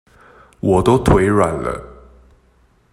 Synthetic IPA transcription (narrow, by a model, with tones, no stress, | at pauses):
wʔɔ˨˩t̪o˥ʊt̪ʰwe˧˥ɪɻwa˨˩nlə̰˦